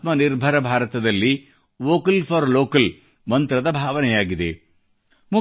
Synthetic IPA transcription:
t̪mɐniɾbʱɐɾɐbʱaːɾɐt̪ɐd̪ɐlːi | ʋoːkɐlpʰɐɾloːkɐl | mɐnt̪ɾɐd̪ɐbʱaːʋɐnɛjaːɡid̪ḛ | mu

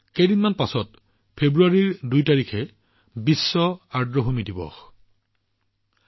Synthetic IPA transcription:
kejdinmanpasɔt̚ | pʰebɹuaɹiɹdujtaɹikʰɛ | bisːɔaɹdɹɔɦomidibɔ̰x

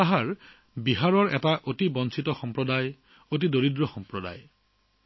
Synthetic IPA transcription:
aɦaɹ | biɦaɹɔɹɛtaʔotibɔnsʰitɔxɔmpɹɔdaj | ot̬idoɹidɹɔxɔmpɹɔda̰j

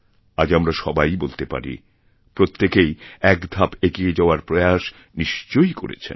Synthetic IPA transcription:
ad͡ʑamɾaʃɔbajbolt̪epa̰ɾḭ | pɾot̪ːekejɛkd̪ʱapeɡied͡ʑaoaɾpɾojaʃ | niʃt͡ɕojko̰ɾḛt͡ɕʰḛn

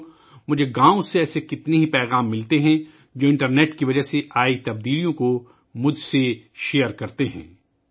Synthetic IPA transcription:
mʊd͡ʒʱeɡãːõseɛːsekɪt̪neɦipɛːɣaːmːɪlt̪eɦɛ̃ | d͡ʒoːɪ̃ɳʈəɾneːʈkiʋɐd͡ʒəɦseʔaːit̪ɐb̚d̪iːlijõko | mʊd͡ʒʱseʃeːəɾkɐɾt̪eɦɛ̰̃ː

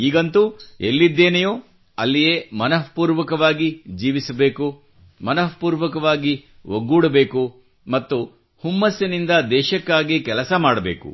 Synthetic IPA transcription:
iːɡɐnt̪uelːid̪ːeːnɐjoː | ɐlːijeːmɐnɐpuːɾʋɐkɐʋaːɡid͡ʒiːʋisɐbeːku | mɐnɐpuːɾʋɐkɐʋaːɡiʋoɡuːɽɐbe̞ːku | mɐt̪ːu | humːɐsɐnind̪ɐd̪ɛːʃɐkːaːɡikɛlɐsɐmaːɽɐbe̞ːkṵ

